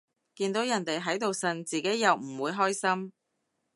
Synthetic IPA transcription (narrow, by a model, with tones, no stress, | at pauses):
kiː˧nt̪o˨˥wjɐ˨˩nt̪e˨jɦɐ˨˥jt̪o˨wsɐ˨nt͡siː˨˩ke˨˥jːɐ˨wm̩˨˩wuː˨˧jɦɔː˥jsɐ˥m